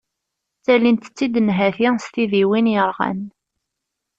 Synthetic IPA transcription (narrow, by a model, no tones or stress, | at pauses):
t͡sːælint̪ə̥t͡sːid̪ənɦæθist̪iðiwinjəɾˤʁæ̰n